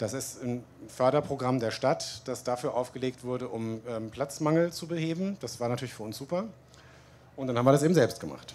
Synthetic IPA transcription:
d̥asɪstn | fœɐɾɐpʁ̥oɡʁamdeːɐʃtatd̥asd̥afyːɐʔaʊfɡ̥əleːk̚tv̥ʊɐɾəʔʊmʔɛːmpʰl̥at͡smaŋl̩t͡subəheːbm̩d̥asv̥aːɐnatʰyːɐlɪçfyːɐʊnsz̥uːpɐ | ʔʊntd̥anhaːm̩viɐɾas̬eːbm̩zɛlpstɡ̥əma̰χt

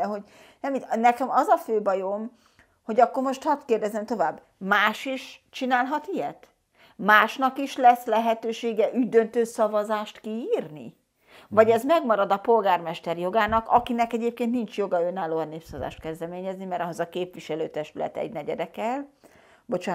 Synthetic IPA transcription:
ɛɦo̞ɟ | nɛminɛkɛmɒzɒføːbɒjo̞m | ho̞ɟɒkːo̞rmo̞ʃt̪hɒt̪keːrd̪ɛzɛmt̪o̞vaːb | maːʃiʃt͡ʃinaːlɦɒt̪ijɛt̪ | maːʃnɒkiʃlɛslɛɦɛt̪øːʃeːɡɛʔyɟd̪ø̞nt̪øːsɒvɒzaːʃt̪kiiːrnḭ | vɒɟɛzmɛɡmɒɾɒd̪ɒpo̞lɡaːrmɛʃt̪ɛrjo̞ɡaːnɒkɒkinɛkɛɟeːp̚keːnt̪nint͡ʃjo̞ɡɒønːaːloːɛnːeːpsɒvɒza̰ːʃt̪kɛzd̪ɛmeːɲɛznimɛɾɒɦozɒkeːpʋiʃɛløːt̪ɛʃt̪ylɛ̰t̪ɛ̰ɟnɛɟɛ̰d̪ɛkɛl | bo̞t͡ʃaː

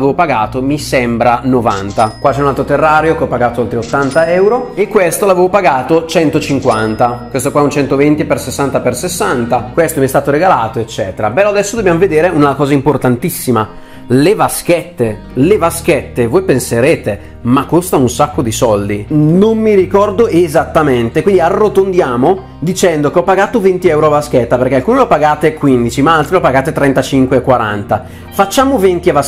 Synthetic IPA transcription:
veːvopaɡaːt̪omisɛmbɾanova̰nt̪akwat͡ʃɛunalt̪ɾot̪erːaːɾeokeɔpːaɡaːt̪oalt̪ɾeot̪ːant̪aɛwɾoekːwest̪olaveːvopaɡaːt̪ot͡ʃɛnt̪ot͡ʃiŋkwant̪akwest̪okwaɛunt͡ʃɛnt̪ovent̪ipersesːant̪apersesːant̪akwest̪oɛmiɛst̪aːt̪oɾeɡalaːt̪oet͡ʃːɛːt̪eɾabɛload̪ɛsːod̪objamoved̪eːɾeunakɔːzaimport̪ant̪isːima | levask̟ɛt̪ːe | levaskɛt̪ːevoːjpenseɾeːt̪e | makːost̪anunsakːod̪isɔld̪inommːiɾikɔrd̪oezat̪ːament̪ekwind̪iarːot̪ond̪jaːmo | d̪it͡ʃɛnd̪okeɔpːaɡaːt̪ovent̪iɛwɾoavaskɛt̪ːapeɾrk̟ealkunelopaɡaːt̪ekwind̪it͡ʃimaalt̪ɾilopaɡaːt̪et̪ɾɛnt̪at͡ʃiŋkweːkːwaɾa̰nt̪a | fat͡ʃːaːmovent̪iava

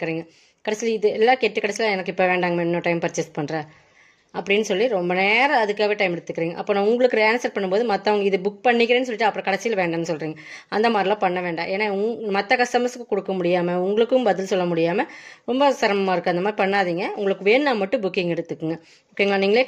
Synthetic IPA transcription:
kːɾiːŋɡɐ | kɐɽɐsɪlɪðɯɛlːaːkeʈːɯkɐɽɐsɪlaɛnɐkːɯɪpːoːʋeːɳɖaːŋɡɐmɛnnːoːʈɐɪmpɐɾt͡ʃːɛspɐɳɾẽː | ɐpːɐɽɪnːɯsɔlːiɾɔmbɐneːɾɐɐðɯkːaːʋeːʈɐɪmɛɽɯt̪ːɯkːɪɾiːŋɡɐ̰ʔɐpːoːnãːʊŋɡɐɭɯkːɯɾaːnsɐɾpɐɳːɯmpoːðɯmɐt̪ːɐɐŋɡɐɪðɯbʊk̚pɐɳːɪkːɪɾeːnːɯsɔlːɪʈːɐpːɯɾɐ̃kɐɽɐsɪjɐlʋeːɳɖɐnːɯsɔlriːŋɡɐʔɐnd̪ɐmaːd̪ɾɪlãːpɐɳːɐʋeːɳɖã̰ːʔeːnːaːʊŋmɐt̪ːɐkɐsʈɐmɐsɯkːɯkɔɽɯkːɐmʊɽɪjaːmɐʊŋɡɐɭɯkːɯmbɐðɪlsɔlːɐmʊɽɪjaːmɐɾɔmbɐsɐɾɐmɐmaːɪɾɯkːɯɐnd̪ɐmaːd̪ɾipɐɳːaːðiːŋɡɐʊŋɡɐɭɯkːɯʋeːnːaːmɐʈːɯ̃bʊkːɪŋɡɛɽɯt̪ːɯkːɯŋɡɐ | bʊkːɪŋɡlãːniːŋɡɐɭeː

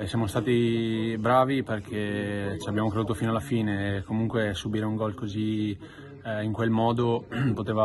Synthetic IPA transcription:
sjamost̪aːt̪ibɾaːviperkʰet͡ʃiabjaːmokɾed̪uːt̪ofinoalːafiːnekomuŋkwesubiːɾeuŋɡɔlkozi | iŋkwelmɔːd̪opot̪eːva

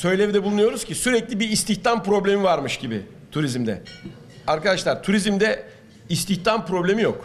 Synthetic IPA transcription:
sø̞jlʲevid̪ɛbulˠunujo̞ɾuz̥cʰisyɾɛclʲibiːst̪ʰiçt̪ʰampɾo̞blʲe̞mivaɾmɯʃɟibɪ̰ | t̪ʰuɾizmd̪ɛ̰ | aɾkad̪aʃlˠaɾt̪ʰuɾizmd̪ɛ | ist̪ʰiçt̪ʰampɾo̞blʲe̞mijo̞k

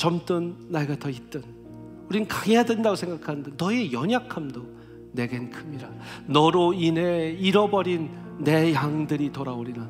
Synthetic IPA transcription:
t͡ɕʌmt͈ɯnːaɡatʰʌit͈ɯn | uɾinɯnkaɡejadwe̞ndaɡosʰe̞ŋɡakʰanɯndenʌejʌɲakʰamdo | ne̞ɡenkʰɯmiɾanʌɾoineiɾʌbʌɾinː | e̞jaŋdɯɾitoɾaoɾida

